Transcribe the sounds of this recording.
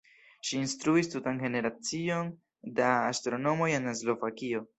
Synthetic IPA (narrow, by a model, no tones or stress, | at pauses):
ʃiːnstɾuistutanɡe̞ne̞ɾat͡sio̞n | daːstɾo̞no̞mo̞jenaslo̞vakio̞